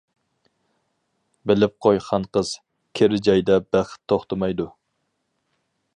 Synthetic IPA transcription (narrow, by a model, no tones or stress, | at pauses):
bɪlɪp̚qʰojχʰɑnqəz̥ | kʲʰeɾɪd͡ʒɑjd̪ɛbæχt̪ʰːoχt̪ʰɨmɑjd̪u